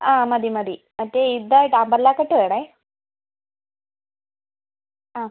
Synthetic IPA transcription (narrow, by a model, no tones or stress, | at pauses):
aːmɐd̪imɐd̪i | mɐtːeid̪ɐʈaːmbɐɾlaːkːɐʈːuʋeɽa | aː